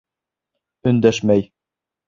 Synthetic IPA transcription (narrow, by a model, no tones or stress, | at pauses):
ɵ̆nd̪æʃmæj